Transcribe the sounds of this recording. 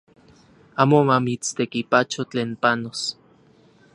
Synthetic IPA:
aːmomamit͡st̪ekipat͡ʃot͡ɬeːnpanos

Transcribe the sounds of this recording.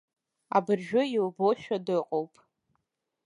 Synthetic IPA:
a̰bɨrʒᶣʊiwboʃᶣadɨqʼowpʼ

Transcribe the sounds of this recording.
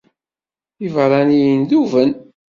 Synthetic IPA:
ivɾˤɑnijənðuvən

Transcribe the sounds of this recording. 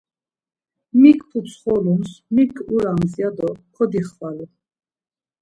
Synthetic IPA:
mikʰpʰut͡sʰχɔlumsmikʰʼuɾamzjad̪ɔkʰɔd̪iχvalu

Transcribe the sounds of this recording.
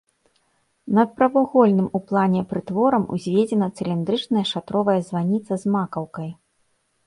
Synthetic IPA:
nɐt̪̚pɾɐvaɣɔlʲnɨmuplˠanʲɛpɾɨt̪vɔɾɐmṵzʲvʲed͡zʲɛnɐt̪sɨlʲind̪ɾɨt͡ʂnɐjɐʂat̪ɾɔvɐjɐzvanʲit̪sɐzmakɐwkɐj

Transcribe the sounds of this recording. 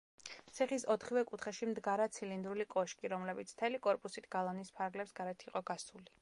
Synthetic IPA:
t̪sʰiχisɔt̪ʰχivɛkʼut̪ʰχɛʃimd̪ɡaɾat̪sʰilind̪ɾulikʼɔʃkʼiɾɔmlɛbit̪sʰt̪ʰɛlikʼɔɾpʼusit̪ʰɡ̥alˠɔnispʰaɾɡlɛpsɡaɾɛt̪ʰiqʼɔɡasuli

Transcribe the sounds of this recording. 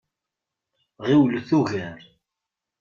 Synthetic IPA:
ʁiwlθuʝæɾ

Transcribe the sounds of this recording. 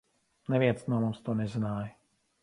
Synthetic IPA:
nɛvjɛt͡snamost̪onɛznaːj

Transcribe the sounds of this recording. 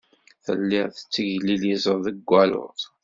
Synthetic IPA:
θə̰lːɪʁθət͡sːəʝlilizˤəɾˤðəɡʷːælʊ̰tˤ

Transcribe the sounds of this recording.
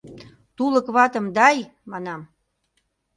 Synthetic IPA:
t̪uləkβɑt̪ə̆md̪ɑj | mɑnɑm

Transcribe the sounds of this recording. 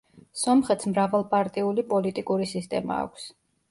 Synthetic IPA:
sɔmχɛt̪ʰsmɾavalˠpʼaɾt̪ʼiulipʼɔlit̪ʼikʼuɾisist̪ʼɛ̰ma̰ːkʷʰs

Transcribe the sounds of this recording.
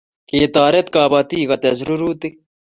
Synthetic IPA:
keːt̪aːɾet̪kaːbɐt̪iːɣɐt̪ezɾuɾuːt̪i

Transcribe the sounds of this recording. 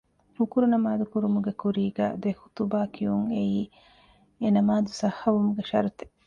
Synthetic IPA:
hukuɾunɐmaːd̪ukuɾumuɡekuɾiːɡæ̰ːd̪ehu̥t̪ubaːkʰijuŋeiː | enɐmaːd̪usɐhɐʋumuɡeʃɐ̰ɾut̪e̥

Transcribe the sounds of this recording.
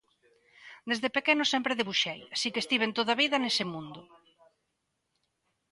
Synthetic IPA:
d̪ezðepekenʊsɛmpɾeðeβuʃejasikest̪iβ̞ent̪oðɐβ̞iðɐnesɪmũnd̪ʊ

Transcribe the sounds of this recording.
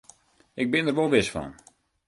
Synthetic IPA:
ʔɪɡ̚bɪnərʋolˠʋɪsfɔ̰n

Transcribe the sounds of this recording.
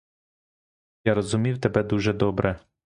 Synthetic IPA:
jaɾɔzʊmʲiwt̪ebɛd̪uʒɛd̪ɔbɾɛ

